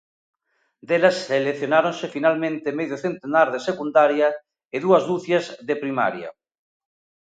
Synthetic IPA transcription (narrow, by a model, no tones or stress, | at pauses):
d̪elaseleθjonaɾonsefinalmẽnt̪emeðjoθent̪enaɾðesekund̪aɾja | eðuazðuθjazðepɾima̰ɾja̰